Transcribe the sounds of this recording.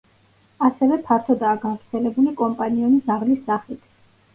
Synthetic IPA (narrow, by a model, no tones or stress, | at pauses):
asɛvɛpʰaɾt̪ʰɔd̪aːɡavɾt̪sʰɛlɛbulikʼɔmpʼaniɔmizaʁlisːaχit̪ʰ